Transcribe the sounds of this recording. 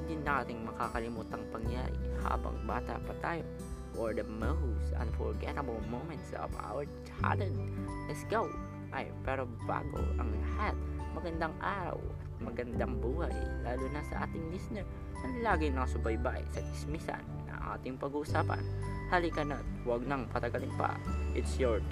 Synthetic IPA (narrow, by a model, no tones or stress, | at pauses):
d̪ɪnːɐŋʔaːt̪ɪŋmɐkakɐlɪmuːt̪ɐŋpɐŋja̰ɾɪ̰ha̰ːbɐ̰ŋbaːt̪a̰pɐt̪aːjo̞ | ʔoɹd̪ɐmɛhusʔɐ̰̃nfɔ̰ɹɡɛt̪ɐbɐlˠmowmɛnt̪so̰va̰wɛɹt͡ʃa̰lɛnlɛsɡaw | ʔɐjpɛɾoba̰ːɡo̰ʔɐŋlɐhat̪̚mɐɡɐnd̪aŋʔaːɾɐ̰wɐt̪̚mɐɡɐnd̪aŋbuːhajlaːlunɐsɐʔa̰ːt̪ɪŋmisnɛɹ | ɐŋlaːɡɪŋnɐkɐsʊbɐjbajsɐɡ̪ɪsmisa̰nːɐ̰ŋʔa̰ːt̪ɪŋpɐɡuʔʊsaːpɐ̰nhalikɐnɐt̪̚wɐɡ̚nɐŋpɐt̪ɐɡɐlɪŋpɐ̰ʔɪt̪sjɔɹ